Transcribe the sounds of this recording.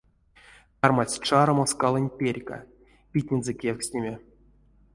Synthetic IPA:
t̪armasʲʈ͡ʂaɾomoskalˠɤnʲpʲerʲka̰ | pʲit̪ʲnʲenzɛkʲeksʲnʲemʲe

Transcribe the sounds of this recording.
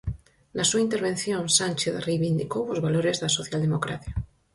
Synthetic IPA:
lasuaint̪e̞ɾβ̞ẽnθjõnsanʲt͡ʃeθrejβind̪ikowozβaloɾezðasoθjald̪emokɾaθja

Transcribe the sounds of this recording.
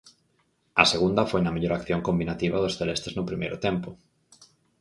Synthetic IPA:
ɐseɣund̪ɐfojnɐmeʎoɾakθjoŋkombinat̪iβɐðʊsθelest̪eznʊpɾimejɾʊ̰t̪empʊ

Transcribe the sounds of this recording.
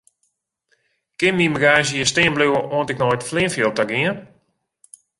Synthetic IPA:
kɪnmiməɡaːzəjəstɪənbluəʔoəntɪknɔjtflɪənfjolˠtaɡiən

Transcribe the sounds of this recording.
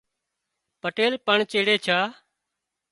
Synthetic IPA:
pəʈeːlpəɳt͡ʃeːɽeːt͡ʃʰaː

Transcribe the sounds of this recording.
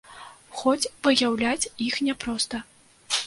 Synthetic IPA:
xɔt͡sʲvɨjawlʲat͡sʲixnʲɛpɾɔst̪ɐ

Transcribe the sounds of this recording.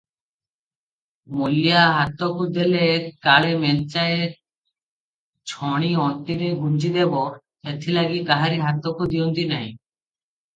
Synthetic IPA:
molijaɦat̪ːokud̪elekaɭemelt͡ɕae | t͡ɕʰɔɽ̃iɔnt̪iɾeɡʱund͡ʑid̪ebo | et̪ʰːilaɡikaɦaɾiɦat̪ːokud̪iont̪inaĩ

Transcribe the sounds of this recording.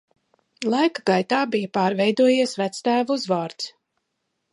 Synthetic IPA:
lˠajkaɡajt̪aːbijəpaːɾvɛjd̪uɔjiɛsvæt̪st̪æːvuzvaːɾt̪s

